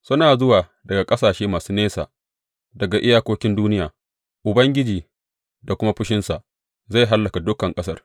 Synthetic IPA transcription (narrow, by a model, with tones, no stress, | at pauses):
sʊ˦naː˨zʊ˦waː˨ | dɐ˨ɡa˨kʼɐ˦saː˨ʃeː˦maː˨suː˦neː˦sa̰ː˨ | dɐ˨ɡa˨ʔɪ˦jaː˦kʷoː˦kʲɪ˦nduː˦nɪ˦jaː˨ | ʔʊ˨bɐ˦ŋɡʲɪ˦d͡ʒiː˨ | da˨kʷʊ˦ma˦ɸɪ˦ʃɪ˦nsa˨ʔ | za˦˨ɦa˦lːɐ˨ka˨dʊ˦kːɐ˨ŋkʼɐ˦sɐ˦r